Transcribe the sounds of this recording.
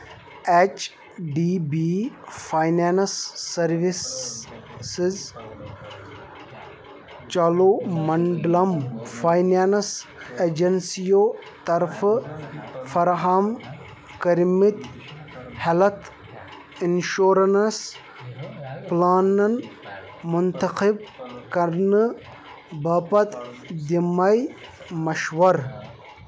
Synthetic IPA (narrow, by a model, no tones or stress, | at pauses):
et͡ʃ | ɖiːbifʰaːjnaːnsːɐɾʋis | siz | t͡ʃɐloːmɐɳɖlɐmfʰaːjnaːnseːd͡ʒɐnsijoːt̪ɐɾfʰ | fɐɾɦam | kɐɾmit̪ | hɐlɐt̪ | inʃoːɾɐnɐs | plaːnɐn | mʊnt̪ɐqib̚kɐɾnɨ | baːpɐt̪d̪imɐj | mɐʃʋɐɾ